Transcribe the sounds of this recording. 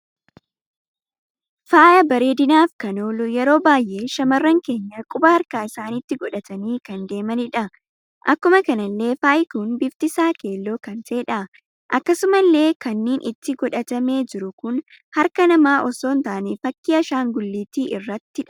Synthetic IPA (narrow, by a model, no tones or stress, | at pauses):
faːjɐbɐɾeːd̪ɪnaːfkɐnoːlʊjɛɾo̞ːbaːjʔe̞ːʃɐmɐrːɐŋke̞ːɲːɐkʼʊbɐhɐɾkaːɪsaːnɪt̪ːɪɡɔᶑɐt̪ɐniːkɐnd̪e̞ːmɐnɪᶑɐ | ʔɐkːʊmɐkɐnɐlːe̞ːfaːjkuːnbɪft̪ɪsaːke̞ːlːo̞ːkɐnt̪eːᶑɐ | ʔɐkːɐsʊmɐlːe̞ːkɐnːeːnʔɪt̪ːɪɡɔᶑɐt̪ɐme̞ːd͡ʒɪɾʊkʊn | hɐɾkɐnɐmaːʔɔsoːnt̪aːnɛfɐkːiːɐʃaːŋɡʊlːiːt̪iːʔɪrːɐt̪ːɪᶑɐ